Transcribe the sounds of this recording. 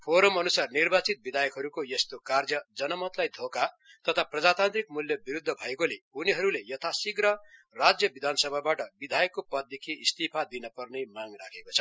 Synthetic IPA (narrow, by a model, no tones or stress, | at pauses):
pʰoɾʌmʌnusarnirbat͡sit̪̚bid̪ʱajʌkɦʌɾukojest̪okard͡zʌd͡zʌnʌmʌt̪lajd̪ʱoka | t̪ʌt̪ʰaprʌd͡zat̪ant̪rik̚muljʌbiɾud̪ʱːʌbʱʌekoleuniɦʌɾulejʌt̪ʰasiɡɾʌ | rad͡zjʌbid̪ʱanʌsʌbʱabaʈʌbid̪ʱajʌkːopʌd̪ekʰiːst̪ipʰad̪inʌpʌrnejmaŋrakʰekot͡sʰʌ̥